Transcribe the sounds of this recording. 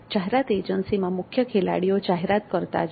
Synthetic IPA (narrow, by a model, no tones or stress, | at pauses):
d͡ʒaɦeɾat̪ed͡ʒənsimãmʊkʰjəkʰela̰ɽijod͡ʒaɦeɾat̪kəɾt̪a̰d͡ʒ